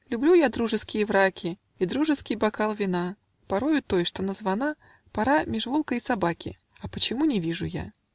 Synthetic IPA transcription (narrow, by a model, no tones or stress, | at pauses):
lʲʊblʲujad̪ɾuʐɨskʲɪjəvɾakʲɪ | id̪ɾuʐɨskʲɪjbakalˠvʲɪna | pɐɾojʊt̪ojʂt̪onəzvɐna | paɾamʲɪʐvolˠkəisɐbakʲɪ̰ | ɐpət͡ɕɪmunʲɪvʲiʐʊ̰ja̰